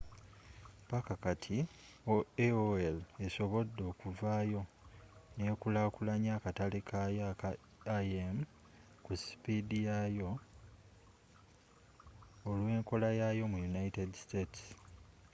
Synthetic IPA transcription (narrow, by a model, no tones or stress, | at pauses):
pakakatʰi | oeoele̞so̞βo̞dːo̞ːkuvaːjo̞ | ne̞ːkulakulaɲaːkatalekʰaja | aem | kusi̥pidijajo̞ | lwe̞ːŋko̞lajajo̞mujunaitedstets